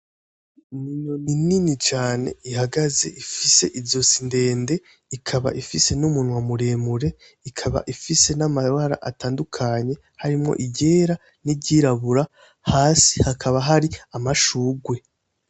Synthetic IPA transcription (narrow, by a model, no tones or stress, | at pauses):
ninonininit͡ʃaːne̞̰ihaɡaze̞̰ʔifise̞ʔizo̞sinde̞ːnde̞ | ikʰaβa̰ʔifise̞numunwamuɾe̞muɾe̞ | ikʰaβa̰ʔifise̞namaβaɾa̰ʔa̰taːndukʰaɲe̞ | haɾimŋo̞̰ʔiɟe̞ːɾa | niɟiːɾaβuɾa | haːsi̥hakʰaβaɦaɾiamaʃuːɡwe̞